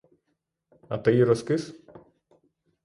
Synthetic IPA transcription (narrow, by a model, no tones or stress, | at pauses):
ɐt̪ɐiɾɔskɪs